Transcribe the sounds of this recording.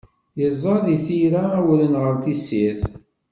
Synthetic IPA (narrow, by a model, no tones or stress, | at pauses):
jəzˤːɑðiθiɾawlənʁəɾθisiθ